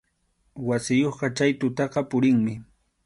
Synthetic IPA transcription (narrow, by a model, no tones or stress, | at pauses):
wasɪjoχɢɑt͡ʃajt̪ʊt̪ɑqɑpʊɾɪŋmɪ